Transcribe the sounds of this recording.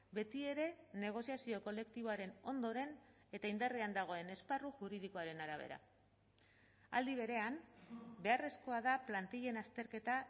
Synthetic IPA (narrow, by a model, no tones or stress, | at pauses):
be̞t̪ie̞ɾe̞ne̞ɣ̞o̞siasio̞ko̞le̞kt̪iβo̞aɾe̞no̞nd̪o̞ɾe̞n | e̞t̪aind̪ariand̪aɣ̞o̞e̞ne̞sparuʝuɾið̞iko̞aɾe̞naɾaβ̞e̞̰ɾa̰ | a̰ld̪iβ̞e̞ɾe̞ambe̞are̞sko̞að̞aplant̪iʎe̞nast̪e̞ɾke̞t̪a